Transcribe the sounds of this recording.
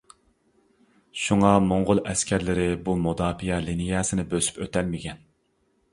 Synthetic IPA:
ʃuŋɑmoɴʁʊlˠɛskʲæɾlɪɾɪbumud̪ɑːpijɛlinijɑːsɪnɪbøsy̥pøt̪ɛlmɪkʲɛn

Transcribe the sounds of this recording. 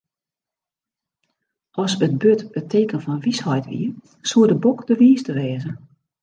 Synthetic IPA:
ʔɔsət̚bøtətʰeːkənfɔnʋishɔjtʋḭə | suədəbokdəʋiːstəʋɛːzə

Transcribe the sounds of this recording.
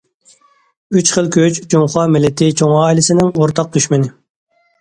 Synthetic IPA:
yt͡ʃχəlˠkʲøt͡ʃd͡ʒoŋχɑmɪlːɛt̪ʰɪt͡ʃʰoŋɑːilɪsɪnɪŋoɾt̪ʰɑq̚d̪yʃmɪnɪ

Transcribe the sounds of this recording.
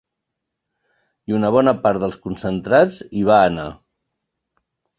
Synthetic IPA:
iunəβ̞ɔnəpaɾðəlˠskunsənt̪ɾad͡ziβ̞aːna

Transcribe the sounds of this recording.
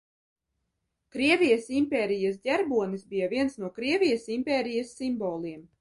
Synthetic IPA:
kɾiɛvʲijɐsimpʲɛːɾijasdʲɛɾbuɔnisbijavʲiɛnsnuɔkɾiɛvʲijɐsimpʲɛːɾijɐsːimbɔːlˠiɛm

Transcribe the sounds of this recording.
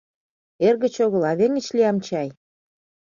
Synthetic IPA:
erɣə̆t͡ɕoɣə̆lɑβeŋə̆t͡ɕliɑmt͡ɕɑj

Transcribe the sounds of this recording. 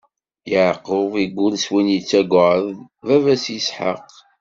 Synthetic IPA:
jəʕqəviɡʷːʊlswinjit͡sːæɡʷʕəð | vævæsjəsħə̰q

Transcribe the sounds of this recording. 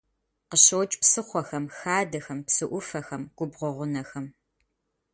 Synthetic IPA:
qəɕɐwt͡ʃʼpsɨχʷɔxɐmxaːdɐxɐmpsɨʔʷʊfɐxɐmɡ̥ʷʊbʁʷɔʁʷʊnɐxɐm

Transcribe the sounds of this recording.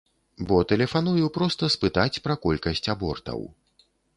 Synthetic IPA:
bɔt̪ɛlʲɛfanujupɾɔst̪ɐspɨt̪at͡sʲpɾɐkɔlʲkɐsʲt͡sʲabɔrt̪ɐ̰w

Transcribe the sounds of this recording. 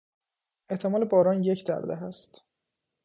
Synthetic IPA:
e̞ht̪ʰe̞mɒːlebɒːɾɒːnjecʰd̪æ̰ɾd̪æɦæst̪

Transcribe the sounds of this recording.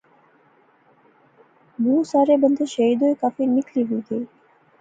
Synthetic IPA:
mũːsaːɾebənd̪ʱeʃəɦiːd̪oːekaːfinɪkliːɦuĩt̪ʰəi

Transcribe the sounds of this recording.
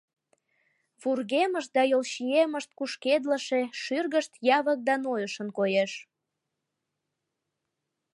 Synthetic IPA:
furɣeməʃt̪̚d̪ɑjolʃieməʃt̪̚kuʃked̪ləʃeʃyrɣəʃt̪jɑβək̚d̪ɑnojəʃənkojeʃ

